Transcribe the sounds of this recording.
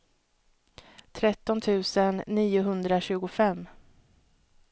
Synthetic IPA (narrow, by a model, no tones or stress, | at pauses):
t̪ʰɾɛt̪ːɔnt̪ʰʉ̟ːsənːiːʊɦɵnd̪ɾaɕʉ̟ːɡʊfɛmː